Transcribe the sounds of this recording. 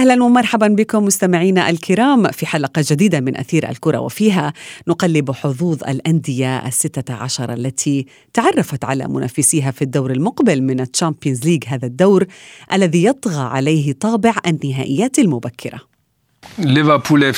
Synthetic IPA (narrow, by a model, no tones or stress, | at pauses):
ʔahlanwɪmɑɾˤħabanbɪkʊmːʊst̪amɪʕiːnaʔalkɪɾaːmfiħalaqɑd͡ʒad̪iːd̪amɪnʔa̰θiːɾʔa̰lkʊɾˤɑ̰wɪ̰fiːɦanʊqɑlːɪbħʊðˤuːðˤʔa̰lʔand̪ɪjaʔa̰sːɪt̪ːaʕaʃɑɾˤʔalːat̪ʰi | t̪aʕɑrˤːɑfat̪ʕa̰la̰mʊ̰nʔa̰ːfːɪsiɦafid̪ːawɾalmʊqbɪlmɪnatːampjinzliːɡɦaːðad̪ːawɾʔalːaðijɑt̪ˤɣɑʕa̰lajɦɪt̪ˤɑːbɪʕʔanːɪɦaːʔɪjːaːt̪almʊbakʰːɪɾa̰ | lɪvəpʰuːle